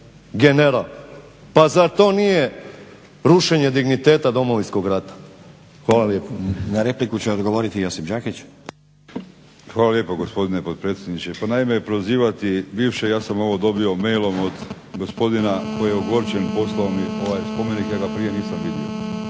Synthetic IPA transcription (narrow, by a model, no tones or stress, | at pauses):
ɡeneɾal | pazaɾt̪o̞ːnije̞ | ɾuʃeɲed̪iɡnit̪e̞ːt̪ad̪o̞moʋinsko̞ɡɾat̪ḁ | xʋaːlˠaljeponaɾe̞plikut͡ɕeod̪ɡo̞ʋoɾit̪ijo̞sipd͡ʑaːkit͡ɕ | xʋaːlaljepoɡospo̞d̪inepo̞d̪̚pɾet̪sʲjed̪nit͡ʃepanaimepɾoziːʋat̪ibiːʋʃejaːsamo̞ʋod̪o̞bio̞me̞jlˠo̞mod̪ | ɡospo̞d̪inakojjeuɡoɾt͡ʃenpo̞slˠaomio̞ʋajspo̞me̞nikjaɡapɾije̞niːsamʋid̪io̰